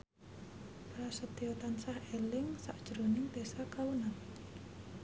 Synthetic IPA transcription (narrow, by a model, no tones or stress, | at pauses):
pɾasət̪iot̪ansahelɪŋsa̰ʔd̥ʒ̥ɾonɪŋd̪̥esakalunan